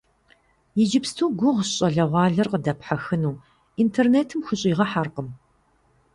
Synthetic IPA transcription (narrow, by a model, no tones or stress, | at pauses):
jɪd͡ʒɪpstʰuːɡʷʊʁɕʼɐɮɐʁʷɑːɮɐrqədɐpħaxɨnuː | intʰerneːtʰɨmxʷʊɕʼiːʁɐħarqəm